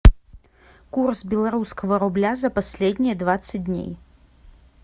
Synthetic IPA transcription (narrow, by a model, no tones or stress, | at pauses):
kursbʲɛlˠɐɾuskɐvɐɾʊblʲazɐpɐsʲlʲedʲnʲɪjɛd̪vat̪sɨt̚ʲdʲnʲḛj